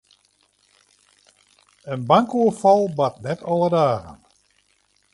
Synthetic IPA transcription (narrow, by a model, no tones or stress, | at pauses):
ənbaŋkuəfɔlˠbatnɛtʰɔlˠədaːɣə̰n